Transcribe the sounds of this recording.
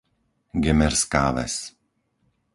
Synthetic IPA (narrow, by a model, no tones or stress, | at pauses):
ɡɛmɛɾskaːʋɛ̰s